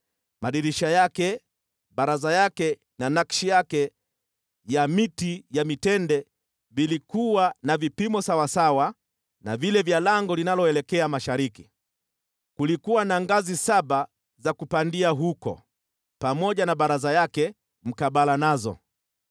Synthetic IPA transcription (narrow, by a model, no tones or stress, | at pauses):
maɗiɾiʃajakɛ | ɓaɾazajakɛ | nanakʃijakɛ | jamitijamitɛndɛ | vilikuwanavipimɔsawasawa | navilɛvjalaŋɡɔlinalɔɛlɛkɛamaʃaɾiki | kulikuwanaŋɡazisaɓa | zakupandiaɦukɔ̰ | pamɔʄanaɓaɾazajakɛ | m̩kaɓalanazɔ̰